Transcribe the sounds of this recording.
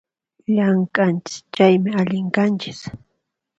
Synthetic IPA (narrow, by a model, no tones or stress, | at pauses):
ʎaŋkant͡ʃɪ̥st͡ʃajmɪaʎɪŋkant͡ʃɪ̥s